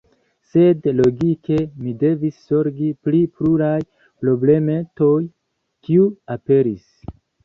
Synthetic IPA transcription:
se̞dlo̞ɡike̞mide̞visːo̞ɾɡiplipluɾaj | pɾo̞ble̞metoj | kiuape̞ɾis

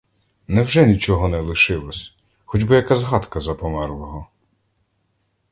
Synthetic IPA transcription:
nɛwʒɛnʲit͡ʃɔɦɔnɛlˠɪʃɪlˠɔsʲ | xɔd͡ʒbɪjɐkazɦɑt̪kɐzɐpɔmɛrlˠɔɦɔ

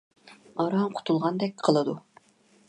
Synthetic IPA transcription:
ɑɾɑŋqʰʊ̥t̪ʰulˠʁɑnd̪ɛk̚ʲqʰəlˠɨd̪u

